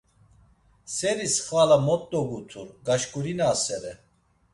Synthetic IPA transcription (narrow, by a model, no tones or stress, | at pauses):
sɛɾisχvalamɔt̪ʼːɔɡut̪ʰuɾɡaʃkʼuɾinaːsɛɾɛ